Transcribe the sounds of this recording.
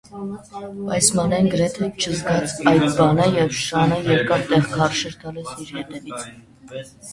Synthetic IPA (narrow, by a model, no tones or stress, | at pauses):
bɑjsmɑnɛnɡəɾɛt̪ʰɛt͡ʃʰəzɡɑt͡sʰɑjd̪bɑnəjɛvʃɑnəjɛɾkɑɾt̪ɛʁkʰɑrʃɛɾt̪ɑlisiɾhɛt̪ɛvit͡sʰ